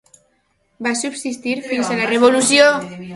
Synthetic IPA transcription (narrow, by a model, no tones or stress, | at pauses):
basubsist̪iɾfinzalareβolusjo